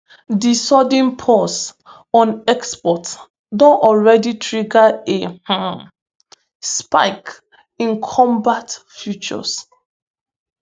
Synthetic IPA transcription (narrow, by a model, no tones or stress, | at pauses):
disɔdĩnpʰɔs | ɔ̃nɛkspɔt | dɔ̃nɔlɹɛditʰɹiɡaehã | spa̰ɪk | ĩnkʰɔ̃mbatfjut͡ʃɔ̰s